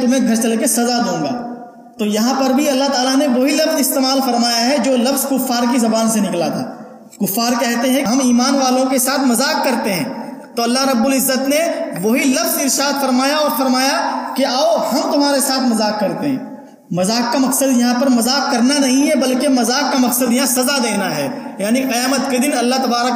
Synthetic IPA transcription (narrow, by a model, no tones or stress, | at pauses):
t̪ʊmɦẽɡʱɐɾt͡ʃɐlkesɐzad̪õːɡa̰ː | t̪oːjɐɦãpɐɾbʱiɐlːaɦt̪aːlaneʋɐɦilɐbzɪst̪eːmaːlfɐɾmaːjaɦɛd͡ʒoːlɐbzkʊfːaːɾkizɐbaːnsenɪklat̪ʰa̰ː | kʊfːaːɾkɛɦt̪eɦɛ̃ɦɐmiːmaːnʋaːlõkesaːt̪ʰmɐzaːkːɐɾt̪eɦɛ̰̃ː | t̪oːɐlːaɦɾɐbːʊlɪzːət̪neʋɐɦilɐfzɪɾʃaːd̪fɐɾmaːjaɔːɾfɐɾmaːjakeaːohɐmt̪ʊm̤ɦaːɾesaːt̪ʰmɐzaːkːɐɾt̪eɦɛ̃ː | mɐzaːkːamɐqsəd̪jɐɦãpɐɾmɐzaːkːɐɾnanɐɦĩɦɛbɐlkemɐzaːkːamɐqsəd̪jɐɦãsɐzad̪eːnaɦɛːjaːniqɐjaːmət̪ked̪ɪnɐlːaɦt̪ɐbaːɾək